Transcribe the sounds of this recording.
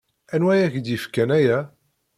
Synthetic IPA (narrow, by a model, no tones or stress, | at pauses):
ænwæjæçd̪jifkænæjæ